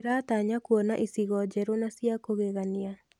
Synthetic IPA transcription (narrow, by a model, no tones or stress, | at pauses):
ɾaːtaɲakuɔnaʔisiɣɔd͡ʑɛɾonasiakoɣeɣania